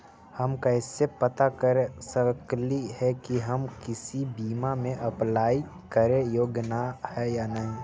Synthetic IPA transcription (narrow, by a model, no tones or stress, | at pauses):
həmkɐɪsepət̪akəɾesəɾklihɛkiɦəmkɪsibiːmamẽʔɐplaːi | kəɾejoːɡnahɛjanaɦi